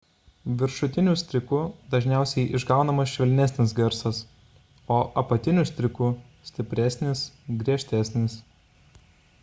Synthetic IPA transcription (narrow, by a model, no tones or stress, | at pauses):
ʋʲɪɾʃʊt̪ʲɪnʲʊsʲt̪ʲɾʲɪkʊd̪ɐʒʲnʲæˑʊsʲɛɪʔɪʒɡɑˑʊnɐmɐsʃʲʋʲɛlʲnʲæsʲnʲɪs̬ɡʲɛɾsɐs | oːʔɐpɐt̪ʲɪnʲʊsʲt̪ʲɾʲɪkʊ | sʲt̪ʲɪpʲɾʲæˑsʲnʲɪsɡɾʲiɛʃʲt̪ʲæsʲnʲɪs